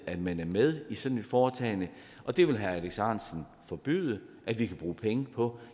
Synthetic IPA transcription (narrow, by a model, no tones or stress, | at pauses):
æd̥mænæɐmeð̞ˠisɒ̥̽ne̝d̥fɒːt͡sʰɛ̰ːɪnə | ʔɒ̽d̥e̝ʋe̝lɦææleɡ̥sɑ̰̈ːnsən̩ | fɒ̽b̥y̰ːð̞ˠəʔæʋikʰæb̥ʁuːpʰeŋəpʰɒ̽